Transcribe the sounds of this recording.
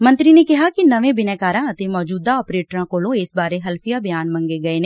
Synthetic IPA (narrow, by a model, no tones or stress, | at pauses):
mɐ̃nt̪ɾinekɪɦakinɐʋẽbɪnɛkaːɾãɐt̪emɔːd͡ʒuːd̪aɔːpɾeːʈɾãkoːlõeːsbaːɾeɦɐlfʰijabɪjaːnmɐ̃ŋɡeɡɐenẽ